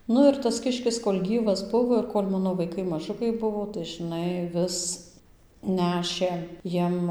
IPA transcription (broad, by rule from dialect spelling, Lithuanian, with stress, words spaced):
ˈnʊ ɪr tɐs ˈkʲɪʃʲkʲɪs koːlʲ ˈɡʲiːʋɐs ˈbʊʋoː ɪr ˈkoːlʲ ˈmɑːnoː ʋɐɪˈkɐɪ mɐˈʒʊkɐɪ ˈbʊʋoː tɐɪ ʒɨˈnɐɪ ˈʋʲɪs ˈnʲæːʃʲeː ˈjiɛm